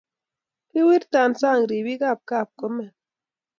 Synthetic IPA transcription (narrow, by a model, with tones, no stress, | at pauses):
ki˦wi˦ɾta˨nsa˦˨ŋ˨ɾi˨bi˦ka˦˨p̚ka˦˨p̚kɔ˨˦mɛ˨